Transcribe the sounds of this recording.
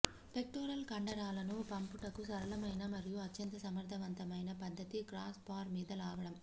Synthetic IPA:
pe̞k̚ʈoːɾɐlkɐɳɖɐɾaːlɐnupɐmpuʈɐkusɐɾɐlɐmɐjnɐmɐɾjuɐt̪ːjɐnt̪ɐsɐmɐɾd̪ʱɐʋɐnt̪ɐmɐjnɐpɐd̪ʱːɐt̪ikɾaːspaːɾmiːd̪ɐlaːɡɐɽɐm

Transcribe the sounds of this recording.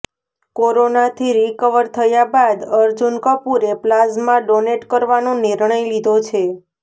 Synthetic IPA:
koɾonat̪ʰiɾikəʋəɾt̪ʰəjabad̪əɾd͡ʒunkəpuɾeplazmãɖoneʈkəɾʋanoniɾɳəjlid̪ʱot͡ʃʰe

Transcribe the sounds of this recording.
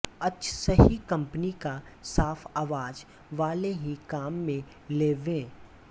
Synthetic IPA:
ɐtːʃʰsɐɦikɐ̃mpənikasaːfʰaːʋaːd͡ʒ | ʋaːleɦikaːmːẽ | leːʋẽː

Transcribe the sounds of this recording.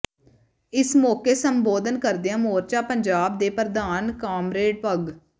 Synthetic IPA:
ɪsmɔːkeːsəmboːd̪ənkəɾd̪ejãːmoːɾt͡ʃaːpəɲd͡ʒaːb̚d̪eːpəɾd̪aːnkaːmɾeːɖpəɡ

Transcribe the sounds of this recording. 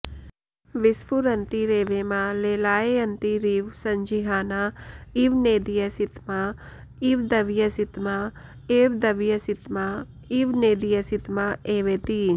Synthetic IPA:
ʋɪsfuɾɐnt̪iɾeːʋemaːleːlaːeɐnt̪iɾiːʋsɐɲd͡ʒiɦaːnaiʋneːd̪ijɐsit̪ma | iʋd̪ɐʋjɐsit̪ma | eːʋd̪ɐʋjɐsit̪ma | iʋneːd̪ijɐsit̪maeːʋeːt̪iː

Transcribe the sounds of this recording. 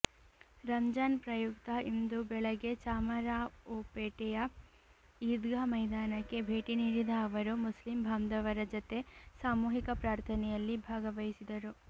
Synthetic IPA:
ɾɐɲd͡ʒaːnpɾɐjukt̪ɐind̪ubɛɭɐɡe̞t͡ʃaːmɐɾaːoːpeːʈɛjɐ | iːd̪ɡamɐjd̪aːnɐkːe̞bʱeːʈiniːɾid̪ɐːʋɐɾumuslimbʱamd̪ɐʋɐɾɐd͡ʒot̪e̞saːmuːɦikɐpɾaːɾt̪ʰɐnɛjɐlːibʱaːɡɐʋɐjisid̪ɐɾu

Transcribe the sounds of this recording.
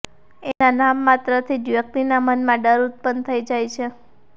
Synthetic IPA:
enanamːat̪ɾət̪ʰid͡ʒjək̚t̪inamənmãɖəɾut̪̚pənt̪ʰəid͡ʒajt͡ʃʰe

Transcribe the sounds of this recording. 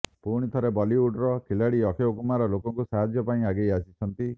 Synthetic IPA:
puɾɽ̃it̪ʰɔɾebɔliuɖɾɔkʰilaɽiɔkʰeokumaɾɔlokɔŋkusaɦad͡ʒjɔpaĩaɡejasit͡ʃʰɔnt̪i

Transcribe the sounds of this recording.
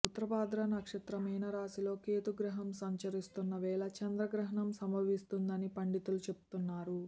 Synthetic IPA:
ut̪ːɐɾɐpaːd̪ɾɐnɐkʂɐt̪ɾɐmiːnɐɾaːsilo̞ːkeːt̪uɡɾɐɦɐmsɐɲt͡ʃɐɾist̪unːɐʋɛːɭɐt͡ʃɐnd̪ɾɐɡɾɐɦɐɳɐmsɐmbɐʋist̪und̪ɐnipɐɳɖit̪ulut͡ʃe̞pu̥t̪unːaːɾu

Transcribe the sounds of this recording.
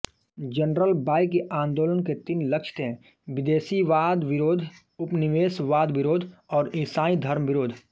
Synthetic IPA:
d͡ʒənɾəlbaːɪkeʔãːnd̪oːlənket̪ɪnlɐkʃt̪eɛ̃ | ʋɪd̪eːsiʋaːd̪ʋɪɾoːd̪ʱ | ʊpnɪʋeːsʋaːd̪ʋɪɾoːd̪ʱɔːɾɪ̃saːĩd̪ʱɐɾmʋɪɾoːd̪ʱ

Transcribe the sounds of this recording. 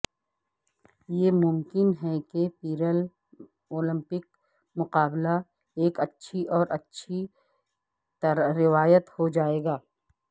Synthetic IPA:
jeːmʊmkɪnɦɛkepiːɾəl | oːlɪ̃mpɪk | mʊqaːbla | eːkɐtːʃʰiʔɔːɾʔɐtːʃʰi | t̪ɾɾɪʋaːjət̪hod͡ʒaːeːɡaː

